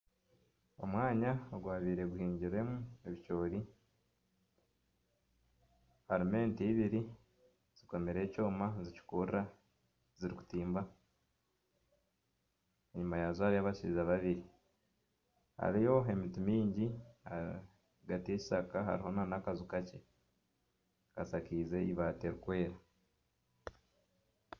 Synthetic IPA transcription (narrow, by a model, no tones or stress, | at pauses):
o̞̰mwaːɲaoɡwaːβiːɾe̞ɡuhiːɲɟiɾe̞mueβit͡ʃo̞ːɾi | haɾime̞ːntiːβiɾi | z̥iko̞meɾe̞ːco̞ːmazici̥kurɾa | ziɾiku̥tiːmba | eɲumajazohaɾijaβaʃiizaβaβiɾi | ha̰ɾijo̞e̞mitimiːɲɟia | ɡatie̞ci̥sakaɦa̰ɾiho̞nanakazukace̞ | kasakiːze̞iβate̞ɾukwe̞ːɾa